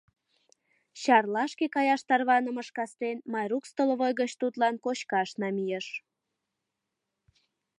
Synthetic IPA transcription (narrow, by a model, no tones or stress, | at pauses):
ɕɑrlɑʃkekɑjɑʃt̪ɑrβɑnəməʃkɑst̪enmɑjrukst̪olβojɣət͡ɕt̪ut̪lɑnkot͡ɕkɑʃnɑmijeʃ